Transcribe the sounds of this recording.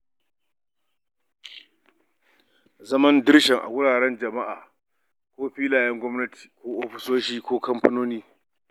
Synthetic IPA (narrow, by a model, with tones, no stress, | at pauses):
zɐ˦mɐ˦ndɪ˦ɽʃɛ˨ŋʔa̰˨wʷʊ˦ɽaː˨ɽɛ˦nd͡ʒɐ˨ma˦ʔa̰ː˨ | kʷoː˦ɸiː˦laː˨jɛ˦ŋɡʷɔ˦mnɐ˦ti̥ː˨kʷoː˦ʔoː˦ɸɪ̥˨˦soː˦ʃiː˦kʷoː˦kɐ˦mpɐ˦noː˦niː˦